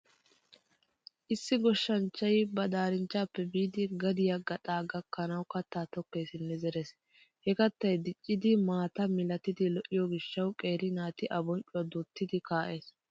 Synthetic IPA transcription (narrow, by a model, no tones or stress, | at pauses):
ʔɪsːɪɡɔʃːɐnt͡ʃːɐjbɐd̪aːɾɪnt͡ʃːaːpːɛbiːd̪ɪɡɐd̪ɪjaɡɐt̪ʼaːɡɐkːɐnɐwkɐt̪ːaːt̪ɔkːe̞ːsɪnːɛzɛɾes | hɛkɐt̪ːɐjd̪ɪt͡ʃʼːɪd̪ɪmaːt̪ɐmɪlɐt̪ɪd̪ɪlɔʔɪjɔɡɪʃːɐwkʼe̞ːɾɪnaːt̪ɪʔɐbɔnt͡ʃʼʊɐd̪ʊt̪ːɪd̪ɪkaːʔe̞ːs